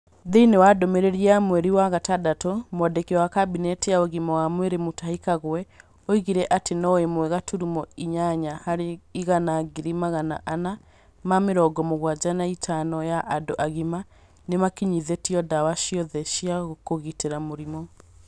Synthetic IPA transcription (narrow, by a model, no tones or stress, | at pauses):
ðeinewadɔmeɾeɾiamwɛɾiwaɣatadatomowadekiɔwakabinɛtijaoɣimɔwamweɾemotahikaɣwɛ | oiɣiɾɛʔatenɔemwɛɣatʰuɾumɔiɲaɲahaɾeiɣanaɡiɾimaɣana̰ʔana | mameɾɔɡɔmoɣwad͡ʒanaitʰanɔjaʔadoʔaɣima | nemakiɲiðetiɔdawaʃiɔðɛʃiaɣokoɣiteɾamoɾimɔ